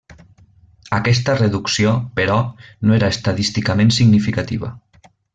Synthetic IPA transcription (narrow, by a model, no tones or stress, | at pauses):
akɛst̪əreðuksiopəɾɔnoeɾaest̪aðist̪ikamẽnsiɡnifikat̪iβə̰